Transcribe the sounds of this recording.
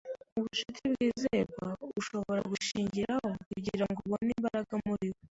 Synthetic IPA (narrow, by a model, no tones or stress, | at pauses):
uβuʃitibɡiːzeːβauʃo̞βo̞ɾa̰ɡuʃiːɲɟiɾaho̞kuɟiɾaŋɡoβonimbaɾaɡamuɾiwo